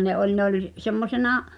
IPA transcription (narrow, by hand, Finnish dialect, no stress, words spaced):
ne ʔolʲ ne olʲ semːosenɑ